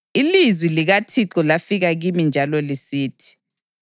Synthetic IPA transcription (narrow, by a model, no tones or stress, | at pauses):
ilizwiliɣatʰiǁɔlafiɣaɣimind͡ʒʱalɔlisiːtʰi̥